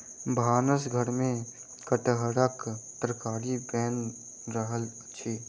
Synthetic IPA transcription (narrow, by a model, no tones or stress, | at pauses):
bʱaːnəsɡʱəɾmẽ | kəʈɦəɽəkt̪ɾəkaːɾibɛːn | ɾəɦəlː | t͡ʃʰiː